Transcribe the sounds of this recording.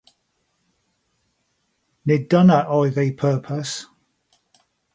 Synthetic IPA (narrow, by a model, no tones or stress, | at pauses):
nɪdʌnəʔɔɪðeɪpʰɜˑpʰəs